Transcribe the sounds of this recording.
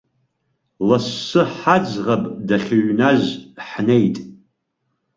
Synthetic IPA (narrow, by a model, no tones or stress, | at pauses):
lasːɨħad͡zʁapʼdaχʲɪɥnazħnejtʼ